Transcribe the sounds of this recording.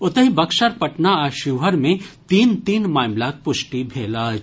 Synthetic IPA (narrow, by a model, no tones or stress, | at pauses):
ʊt̪əɦĩbɐkʃɐɾpɐʈnaaːʃuːɦəɾmẽt̪iːnt̪iːnmaːmlaːk̚pʊʃʈibʱeːlaː